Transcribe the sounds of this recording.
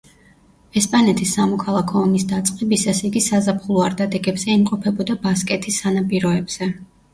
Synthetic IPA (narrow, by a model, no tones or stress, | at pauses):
ɛspʼanɛt̪ʰisːamɔkʰalˠakʰɔːmisd̪at̪sʼqʼɛbisasiɡisazapχulˠɔaɾd̪ad̪ɛɡɛbz̥ɛimqʼɔpʰɛbɔd̪abaskʼɛt̪ʰisːanapʼiɾɔɛbz̥ɛ